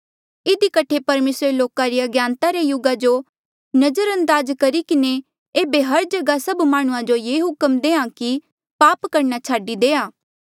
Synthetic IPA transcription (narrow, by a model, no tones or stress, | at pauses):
ɪd̪ikɐʈʰepɐɾmeːsɾeloːkaɾiɐɡjãːnt̪aɾejʊɡad͡ʒo | nɐd͡ʒəɾɐ̃nd̪aːzkɐɾikɪne | eːbeɦɐɾd͡ʒɐɡasɐbmaːɽ̃ʊ̃ãd͡ʒojeːɦʊkəmd̪eːãki | paːpkɐɾnat͡ʃʰaːɖid̪eːaː